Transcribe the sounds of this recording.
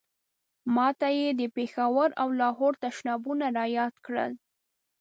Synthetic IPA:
mɑt̪ajed̪əpexawaɾawlɑɦoɾt̪aʃnɑbunaɾɑjɑd̪kɽə̰l

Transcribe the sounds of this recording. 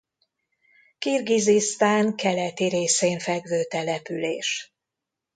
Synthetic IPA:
kirɡizist̪aːŋkɛlɛt̪iɾeːseːɱfɛɡvøːt̪ɛlɛpyleːʃ

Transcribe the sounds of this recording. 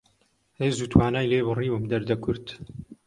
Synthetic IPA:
eːzuːt̪ʰwaːnaːjleːβɨriːwɨmd̪ɐɾd̪ɐkʰʊɾt̪

